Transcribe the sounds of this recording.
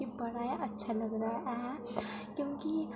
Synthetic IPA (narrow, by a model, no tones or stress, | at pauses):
ibɐɽajaʔɐtːʃʰaləɡɾaaʔɛɦɛ | kjõːki